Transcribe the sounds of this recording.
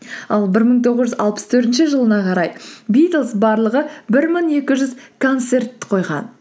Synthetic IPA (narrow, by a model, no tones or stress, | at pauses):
ɑlˠbɪɾməɴt̪ʰo̞ʁəzʒʏzɑ̰lˠpə̥st̪ʰɵɾt̪ɪnʃɪʒəlˠənɑqʰɑɾɑjbijt̪lˠsbɑɾlˠəʁəbɪɾməŋe̞kʲɪʒʏzkʰo̞nt̪se̞rt̪qʰo̞jʁɑ̰n